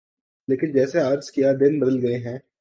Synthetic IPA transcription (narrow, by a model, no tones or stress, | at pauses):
leːkɪnd͡ʒɛːseaːɾzkijad̪ɪnbɐd̪əlɡɐeɦɛ̃ː